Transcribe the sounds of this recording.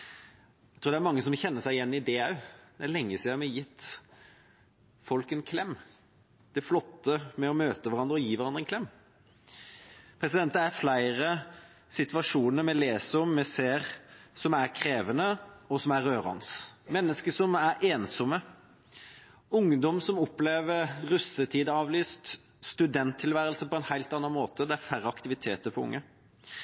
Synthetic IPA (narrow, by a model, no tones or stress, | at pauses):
æɛt̪ɾuːd̪æɾmɑŋːəsɔmçɛnːəsæɪjɛnːɪd̪eːɑʉd̪ɛælɛŋːəsiːd̪əɾmɛjɪt̪ː | fɔlkɛnkʰlɛmː | d̪̥ɛflɔt̪ːəmɛɔmøːt̪əʋæɾɑnd̪ɾəɔjiːʋæɾɑnd̪ɾɛnkʰlɛmː | pʰɾɛsɪd̪ɛnt̪æflæɪɾə | sɪt̪ʋɑʂuːnəɾmɛleːsɔmmɛseːɾsɔmæɾkʰɾeːʋənəɔsɔmæɾːøːɾɑ̰nsmɛnːəskəsɔmæɾʔeːnsɔmə | ʊŋd̪ɔmsɔmɔpleːʋəɾɾʉsət̪ʰiːd̪əɑːʋlyːst̪ | st̪ʉd̪ɛnt̪ʰːɪlʋæːɾəlsəpɔɛnhæɪlt̪ɑnːɑnmoːt̪əd̪ɛæɾfæɾəɑkt̪ɪʋɪt̪ʰeːt̪əɾpʰɔʊ̰ŋːə